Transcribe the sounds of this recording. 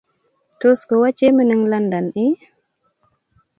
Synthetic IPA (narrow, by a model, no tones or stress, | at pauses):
toskɔwat͡ʃemənəŋlandanɗi